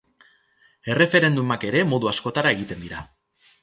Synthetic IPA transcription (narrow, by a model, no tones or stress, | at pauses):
e̞re̞fe̞ɾe̞nd̪umake̞ɾe̞mo̞ðuasko̞t̪aɾae̞ɣit̪e̞nd̪iɾa